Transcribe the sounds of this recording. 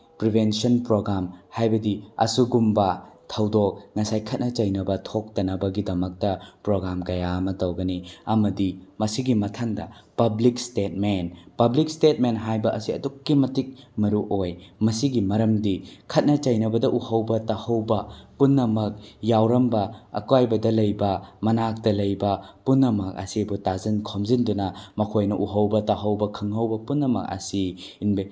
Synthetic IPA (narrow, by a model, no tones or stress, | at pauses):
pɾibʱensɐnpɾoɡɾamhajbɐdiɐ̰suɡumbɐtʰɐwdok̚nɐsajkʰɐt̚nɐt͡ʃɐjnɐbɐtʰok̚tɐnɐbɐɡidɐmɐk̚tɐpɾoɡɾamkɐjaɐmɐtɐwɡɐniɐmɐdimɐsiɡimɐtʰaŋdɐ̰pɐblikstet̚menpɐblik̚stet̚menɦajbɐʔɐsiɐ̰dukːimɐtik̚mɐɾuʔojmɐsiɡimɐɾɐmdikʰɐt̚nɐt͡ʃɐjnɐbɐdɐʔuhɐwbɐtahɐwbɐpunːɐmɐk̚jawɾɐmbɐ̰ːkwajbɐdɐlɐjbɐmɐnak̚tɐlɐjbɐpunːɐmɐk̚ɐ̰sebutazɐnkʰomzindunɐmɐkʰojnɐʔuɦɐwbɐtaɦɐwbɐkʰɯŋhɐwbɐpunːɐmɐ̰k̚ɐ̰siː | nbe